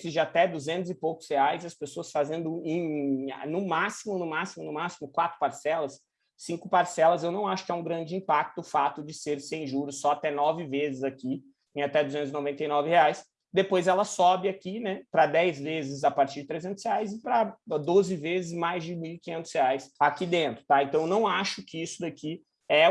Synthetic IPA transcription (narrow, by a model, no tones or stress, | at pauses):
sɪʒat̪ɛd̪uzẽnt̪ʊzɪpowkʊ̥sheajzɐspesoɐsfazẽnd̪ʊẽj̃nʊmasimʊnʊmasimʊnʊmasimʊkwat̪ɾʊ̥paɾsɛlɐsː | ĩkʊpaɾsɛlɐzewnɐ̃w̃aʃʊ̥kɪaũɡɾɐ̃nd͡ʒɪĩpak̚t̪ʊːfat̪ʊd͡ʒɪseɾsẽj̃ʒuɾʊsɔat̪ɛnɔvɪvezɪzaki | ẽat̪ɛd̪uzẽnt̪ʊzɪnovẽnt̪ejnɔvɪheajs | d̪epojzɛlɐsɔbɪakinɛpɾɐd̪ɛjzvezɪzapaɾt͡ʃiɾd͡ʒɪt̪ɾezẽnt̪ʊsheajzɪpɾɐd̪ozɪvezɪzmajzd͡ʒɪmiwikĩɲẽnt̪ʊ̥sheajsakid̪ẽnt̪ɾʊ̥t̪aẽnt̪ɐ̃w̃ewnɐ̃w̃aʃʊkɪisʊd̪aki | ɛ